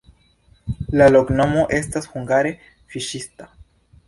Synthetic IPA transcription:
lalokno̞mo̞ʔe̞stashuŋɡaɾe̞ | fiʃista

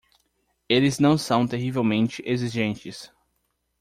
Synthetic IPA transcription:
elɪznɐ̃w̃sɐ̃w̃t̪eɦivewmẽnt͡ʃɪʔeziʒẽnt͡ʃɪs

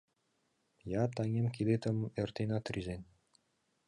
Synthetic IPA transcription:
jɑt̪ɑŋʲemkid̪et̪ə̆mert̪enɑt̪rizen

